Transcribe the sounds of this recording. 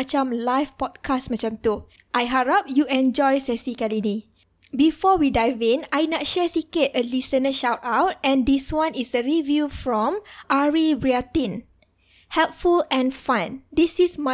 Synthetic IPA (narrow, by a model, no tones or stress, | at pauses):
at͡ʃãmlajfpɔd̚kʰasmat͡ʃãmt̪u | ʔajɦaɹap̚juɛ̃nd͡ʒɔjsɛsikɛlini | bifɔwidajvẽnajnɔt̚ʃɛsiketəlisənəʃawtawt̚ɛ̃ndiswãnisəɹivjufɹɔ̃mʔaɹibɹiat̪ĩn | hɛlp̚fulɛ̃nfãndisisma